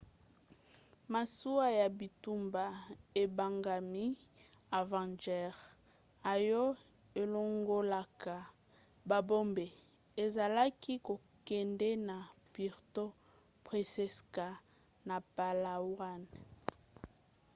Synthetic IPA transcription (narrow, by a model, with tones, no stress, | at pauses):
ma˨su˦a˦ja˨bi˨tu˦mba˨e˨ba˨ŋɡa˨mi˦ | a˨vã˨nd͡ʒɛ˦ʁ | a˨jɔ˦ | e˨lo˦ŋɡo˦la˨ka˨ | ba˨bo˦mbe˨ | e˨za˨la˦ki˦ko˨kɛ˨ndɛ˦na˨pi˨ʁto˦ | pʁe˨sɛ˦ska˨ | na˨pa˨la˨wa˦˨n